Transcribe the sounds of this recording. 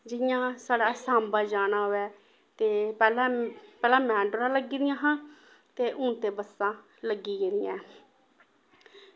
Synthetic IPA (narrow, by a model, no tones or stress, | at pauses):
d͡ʒɪjãːsaːɽaːsãːmbaːd͡ʒaːnaːɦʊɛː | t̪eːpɛːlãpɛːlãːmɛ̃ːɳɖoɾãːləɡiːd̪ɪjãːɦãː | t̪eːʔʊːnt̪eːbəsãː | ləɡːiːɡeːɾɪjãː